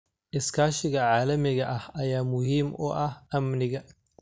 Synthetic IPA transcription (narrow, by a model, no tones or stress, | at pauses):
ʔɪskʰaːʃɪɣɐʕaːlɐmɪɣɐʔɐhɐjaːmʊhiːmʔɔ̰ʔɐhʔɐmnɪɣɐ